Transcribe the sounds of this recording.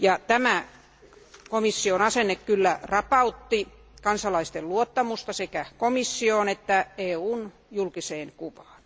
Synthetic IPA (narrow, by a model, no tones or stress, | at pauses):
jɑt̪æmæ | komisːionɑsenːekkylːærɑpɑut̪ːi | kɑnsɑlɑist̪elluot̪ːɑmust̪ɑsekækomisːioːnet̪ːæeːuːn | julkiseːnkuʋɑ̥ːn